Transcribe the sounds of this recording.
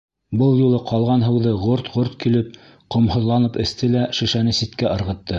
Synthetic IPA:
bɤlˠjulˠɤqʰɑlˠʁɑnɦɤ̆wðɤʁoɾt̪ʁoɾt̪kilɘp̚ | qŏmhŏðlˠɑnɤpɘ̆θt̪ɘlæʃɘ̆ʃænɘsit̪kæʔɤ̆ɾʁɤ̆t̪ːɤ

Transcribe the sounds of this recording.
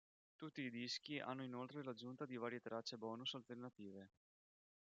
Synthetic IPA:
t̪ut̪ːiːd̪isk̟iʔa̰nːoinolt̪ɾelad͡ʒunt̪ad̪ivaːɾjet̪ɾat͡ʃːebɔːnusalt̪ernat̪iːve

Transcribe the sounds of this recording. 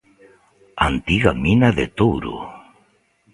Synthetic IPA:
ant̪iɣaminaðḛt̪owɾṵ

